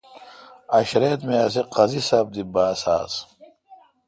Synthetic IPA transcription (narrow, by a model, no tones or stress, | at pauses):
ɐɕɾeːt̪measiqɐzisɐb̚d̪ibaːsa̰ːs